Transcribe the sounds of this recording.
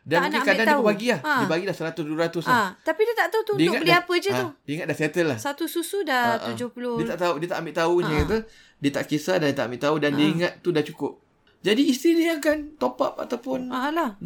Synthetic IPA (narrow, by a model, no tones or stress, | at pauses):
danmukikadanaəbpaɡilahãdiəpaɡilahsəɾat̪ʊsduəɾat̪ʊsat̪apidiət̪aʔt̪aut̪uundəikŋat̪bəliapəd͡ʒəudəiŋat̪̚dahset̪əlːahsat̪ususudaud͡ʒʊhpulʊiət̪aʔt̪audiət̪aʔambɪʔt̪aukat̪ə | diət̪a̰ʔkesadandiət̪a̰ʔambɪʔt̪audandəiŋat̪̚tːudat͡ʃukʊp̚ | d͡ʒadiːst̪idiəjakant̪opa̰p̚a̰t̪awpʊnaãlah